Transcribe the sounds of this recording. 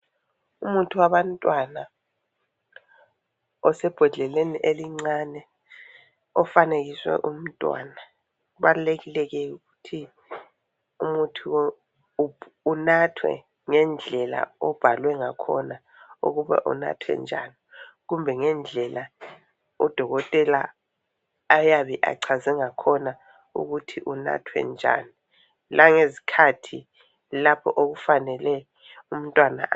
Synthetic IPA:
umuntʰuwaβantʼwana | ɔsɛb̥ʱɛɮʱɛleniʔeliŋ͡ǀanɛ | ɔfaneɣiswɛ̰ʔum̩tʼwa̰na | uβaluleɣilɛɣɛuɣutʰi | umutʰu | unatʰwɛ̰ | ŋɛnd͡ɮʱɛla̰ɔb̥ʱalwɛŋakʰɔ̰na | ṵɣuβɛ̰ʔɔ̰na̰tʰwɛ̰nd͡ʒʱa̰ni | ɣumbʱɛŋɛnd͡ɮʱɛla | ud̥ʱɔɣɔtʼɛlaː | jaβɛʔa̰ǀʰazɛŋakʰɔna | ṵɣutʰiʔuna̰tʰwɛ̰nd͡ʒʱa̰ni | laŋezi̥kʰatʰi | lapʰɔʔoɣufanɛlɛ | um̩ntʼwana̰ʔ

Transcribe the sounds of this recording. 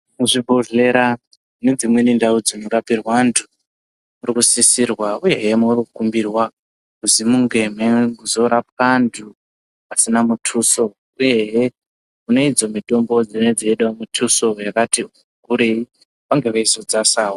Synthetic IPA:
muʐibʱoɮe̞ɾa | ne̞d͡zimwe̞nindaud͡zinoɾapirwandʰu | murikusisirwauje̞ɦemourikukumbirwa | uzimuŋɡe̞meɡuzo̞ɾap̚kandu | pasinamutʰuːso̞ | uje̞ɦe | une̞id͡zo̞mitʼo̞mbo̞d͡zine̞d͡zeeɗamutʰuso̞jakati | kuɾei | paŋɡe̞ʋaiso̞d͡zasaːwo

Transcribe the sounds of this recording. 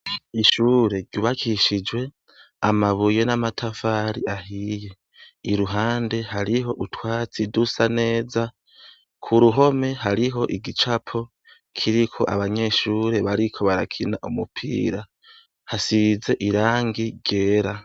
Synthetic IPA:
iʃuːɾe̞ɾɟuːβakʰiʃid͡ʒwe̞ | amaβuje̞namatʰafaːɾiahije̞ | iɾuɦaːnde̞ɦaɾiɦo̞ʔutwaːt͡sidusane̞ːza | kʰuɾuɦo̞me̞ɦaɾiɦo̞ʔiɡit͡ʃapʰo̞ | kʰiɾikʰo̞̰ʔaβaɲe̞ʃuːɾe̞βaɾikʰo̞βaɾakʰinaʔumupʰḭːɾa | hasize̞ʔiɾaːŋɡiɟe̞ːɾa

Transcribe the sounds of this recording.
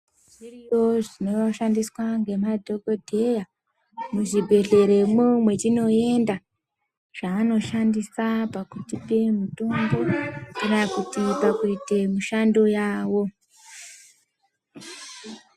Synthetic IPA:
ʐirijo̞ʐino̞oʃandiswaŋɡe̞madʱo̞ko̞dʱe̞ja | muʐibʱe̞ɮe̞ɾe̞mumwe̞t͡ʃino̞e̞nda | ʐ̥aːno̞ʃandisapakutipe̞mutombo̞inakutipakuitemuʃando̞jaːwo̞

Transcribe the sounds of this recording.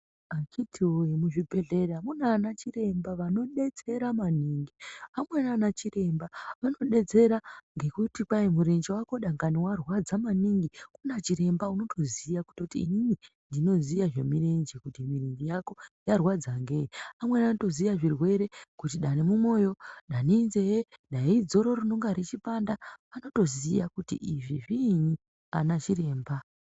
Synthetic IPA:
at͡ʃitʰiwojemuʐibʱe̞ɮe̞ɾamunanat͡ʃire̞mbaʋano̞ɗe̞d͡ze̞ɾamaniːŋɡiamwenanat͡ʃire̞mbaʋano̞ɗe̞d͡ze̞ɾaŋɡe̞kutipajemuɾend͡ʒiwako̞ɗaŋɡaniwarwad͡zamaniŋɡikunat͡ʃiɾe̞mbauno̞tʰo̞zijaku̥totiːnini | ndino̞zijaʐe̞mirend͡ʒikutimirend͡ʒijako̞jarwad͡zaŋɡe̞iamwenanto̞zijaʐirwe̞ɾe̞kutiɗanemumo̞jo̞ɗanenzeeɗaid͡zo̞ɾorunoŋɡaɾet͡ʃipandaano̞to̞zijakutḭʔiʐiʐini | a̰nat͡ʃire̞ːmba

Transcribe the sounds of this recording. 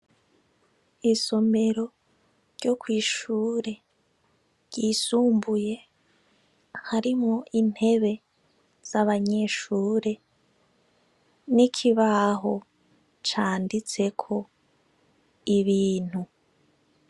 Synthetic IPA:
iso̞me̞ɾo̞ | ɾɟo̞kwiːʃuːɾe̞ | ɾɟ̥iːsuːmbuje̞ | haɾimŋo̞ʔin̥he̞βe̞ | z̥aβaɲe̞ʃuːɾe̞ | nikʰiβaɦo̞ | t͡ʃaːndit͡se̞kʰo̞ | iβiːn̥hu

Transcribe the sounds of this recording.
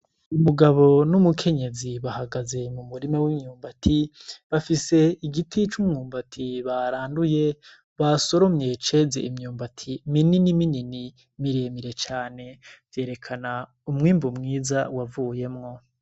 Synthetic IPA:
umuɡaβo̞numukʰe̞ɲe̞ziβahaɡaze̞mumuɾimawimɲuːmbatʰiβafise̞iɡitʰit͡ʃumɲuːmbatʰiβaɾaːnduje̞ | βaso̞ɾo̞mɲe̞t͡ʃe̞zeimɲuːmbatʰimininiminini | miɾeːmiɾe̞t͡ʃaːne̞vje̞ːɾe̞kʰana | umŋiːmbumŋiːzawavuːje̞mŋo̞

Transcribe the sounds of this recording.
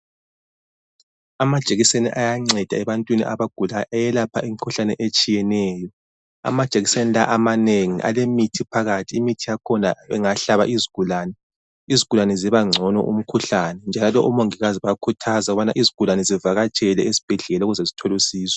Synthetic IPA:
amad̥ʒ̥ʱeɣisenḭʔajaŋ͡ǀɛd̥ʱaɛβantʼwinḭʔaβaɡ̥ʱulajʔajɛlapʰaimikʰuɬanɛʔet͡ʃʼijɛnɛːjɔ | a̰mad̥ʒ̥ʱeɣisenilaʔamaneŋḭʔa̰lemitʰipʰaɣatʰiːmitʰijakʰɔnaβɛ̰ŋaɬaβa̰ʔiziɡ̥ʱulaːnɛ | iziɣɡʱulanɛziβaŋ͡ǀʱɔnɔ̰ʔṵm̩kʰuɬanɛnd͡ʒʱalalɔ̰ʔumoŋiɣaziβakʰutʰazaɣuβanaʔiziɡ̥ʱulanɛzivaɣat͡ʃʼɛlɛesi̥b̥ʱɛɮɛlauɣuzazitʰɔlusiːswɔ̥

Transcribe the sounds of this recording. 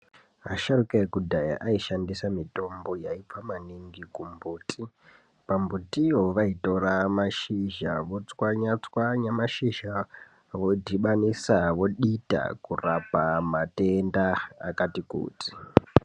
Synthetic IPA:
aʃaɾukaekudʱaja̰ʔaiʃandisamito̞mbo̞jaip͡famaniŋɡikumbuːtʰi | pambutioʋaito̞ramaʃiʒaʋo̞t͡swaɲat͡swaɲamaʃiʒa | ʋodiɓanisaʋo̞ɗita̰kurapamatendaːkatikṵːtʰi̥

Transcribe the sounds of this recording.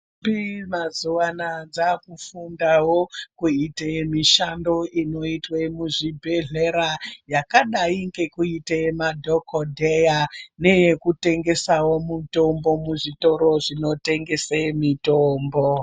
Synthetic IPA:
bimazuwanad͡zakufundawo̞kuitemiʃando̞ʔino̞itwemuʐibʱe̞ɮeɾajakaɗaiŋɡe̞kuitemadʱokodʱejane̞jekute̞ŋɡe̞sawo̞muto̞mbo̞muʐito̞ɾo̞ʐino̞te̞ŋɡe̞semitoːmbo

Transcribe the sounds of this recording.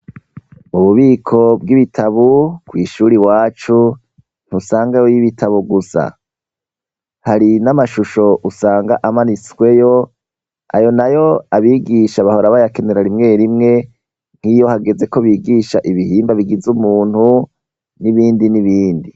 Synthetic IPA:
muβuβiːkʰo̞b̚ɡiβitʰaβukwiːʃuːɾiwaːt͡ʃu | n̥husaːŋɡajojiβitʰaβuɡusa̰ | haɾinamaʃuʃo̞ʔusaːŋɡaʔamaniswe̞jo̞ | a̰jo̞najo̞aβiːɡiʃaβahoɾaβajake̞ne̞ɾaɾimŋe̞ːɾimŋe̞ | ŋ̥hijo̞haɡe̞ze̞ko̞βiːɡiʃaʔiβihiːmbaβiɡizumuːn̥hu | niβiːndiniβiːndi

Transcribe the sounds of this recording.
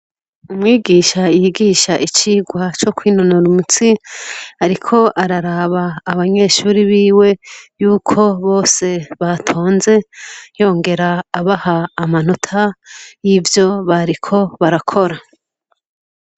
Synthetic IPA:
umŋiːɡiːʃaijiɡiːʃaʔit͡ʃiːɡwat͡ʃo̞kwiːnonoɾumut͡siaɾikʰo̞ʔaɾaɾaβaːβaɲe̞ʃuːɾiβiːwe̞juːkʰo̞βo̞ːse̞βatʰo̞ːnze̞jo̞ːŋɡe̞ɾaːβahaːmanotʰaivjo̞βaɾikʰo̞βaɾakʰo̞ɾa

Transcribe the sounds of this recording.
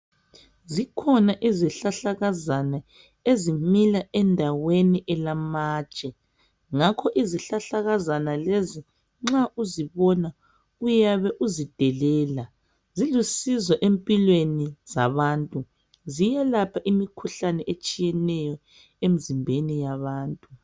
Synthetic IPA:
zikʰɔnaʔiziɬaɬaɣazana | ezimilaɛndʱaweniʔɛlamaːt͡ʃʼɛ | ŋakʰɔʔiziɬaɬaɣazanalezi | ŋ͡ǁaʔuziβɔna | ujaβɛʔuzid̥ʱɛlɛːla | zilusizɔʔempʼilweniza̰βaːntʼu | zijɛlapʰaʔimikʰuɬanɛʔet͡ʃʼijɛnɛjɔ | em̩zimbʱenijaβaːntʼu

